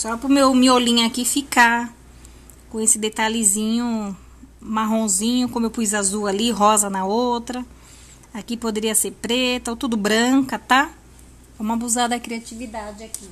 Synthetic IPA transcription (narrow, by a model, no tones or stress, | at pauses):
sɔpɾʊmewmiolĩɲʊakifika | kõesɪd̪et̪alɪzĩɲʊ | maɦõzĩɲʊkõmʊewpujzazualiɦɔzɐnɐowt̪ɾɐ | akipod̪eɾiɐseɾpɾet̪ɐowt̪ud̪ʊbɾɐ̃kɐt̪a | ɛũmɐbuzad̪ɐkɾiat͡ʃivid̪ad͡ʒɪaki